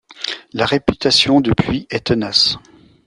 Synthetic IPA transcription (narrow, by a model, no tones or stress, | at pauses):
laʁepyt̪asjɔ̃d̪əpɥiɛt̪ənas